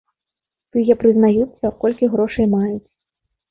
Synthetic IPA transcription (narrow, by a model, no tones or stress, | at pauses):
t̪ɨjɛpɾɨznajusʲːɐkɔlʲkʲiɣɾɔʂɐjmajut͡sʲ